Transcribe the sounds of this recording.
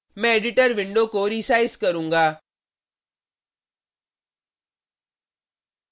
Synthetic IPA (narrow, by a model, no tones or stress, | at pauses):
mɛ̃eɖɪʈəɾʋɪ̃ɳɖokoɾisaːɪskɐɾũːŋɡaː